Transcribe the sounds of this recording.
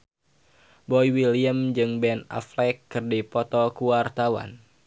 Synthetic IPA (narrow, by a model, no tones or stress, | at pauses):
bɔiwiliəmd͡ʒɨŋbɛna̰flɛkːɨrdipɔt̪ɔkuwart̪awa̰n